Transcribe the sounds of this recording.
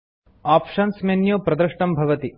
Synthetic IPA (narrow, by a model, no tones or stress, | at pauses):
aːpʂɐnsmenjoːpɾɐd̪ɾɐʂʈɐmbʱɐʋɐt̪i